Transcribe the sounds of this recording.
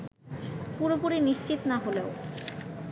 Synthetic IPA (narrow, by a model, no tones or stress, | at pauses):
puɾopuɾiniʃt͡ɕit̪naɦoleo